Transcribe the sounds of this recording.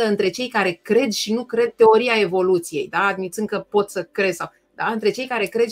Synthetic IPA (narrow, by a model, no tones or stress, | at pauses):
əɨnt̪ɾe̞t͡ʃe̞jkaɾe̞kɾe̞d̪ʃinukɾe̞d̪̚t̪e̞o̞ɾiae̞vo̞lut̪sije̞̰jd̪aːd̪mit̪sɨnŋkəpo̞t̪səkɾe̞d̪saw | d̪aɨnt̪ɾe̞t͡ʃe̞jkaɾe̞kɾe̞d̪